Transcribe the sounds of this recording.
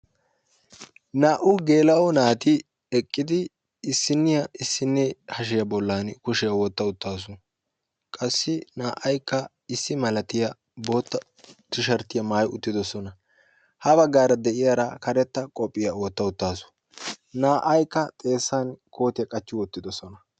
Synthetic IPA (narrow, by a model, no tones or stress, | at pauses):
naːʔʊɡe̞ːlɐɔnaːt̪ɪ | ɛkʼːɪd̪ɪː | sːɪnːɪjɐɪsːɪnːɛhɐʃ̬ɪjɐbɔlːankʊʃɪjɐwɔt̪ːɐʊt̪ːaːs̬ʊ | kʼɐsːɪnaːʔɐjkːɐ | ɪsːɪmɐlɐt̪ɪjɐ | bo̞ːt̪ːɐ | t̪ːɪʃɐɾt̪ːɪjɐmaːjʊt̪ːɪd̪ɔsɔnɐ | hɐbɐɡːaːɾɐd̪ɛʔɪjɐɾɐkɐɾɛt̪ːɐkʼɔpʼːɪjɐwɔt̪ːɐʊt̪ːaːsʊ̥ | naːʔɐjkːɐt̪ʼe̞ːsːankʰo̞ːt̪ɪjɐkʼɐt͡ʃːɪwɔt̪ːɪd̪ɔsɔnɐ